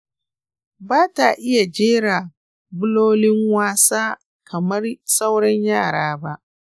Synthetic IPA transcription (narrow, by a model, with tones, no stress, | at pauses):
baː˦ta˨ʔɪ˦ja˨d͡ʒeː˦ɽa˨ | bʊ˦loː˦lɪ˦ŋwaː˦saː˦ | kʰɐ˨mɐ˦rsa˦wɽɐ˦ɲjaː˦˨ɽaː˦ba˦ʔ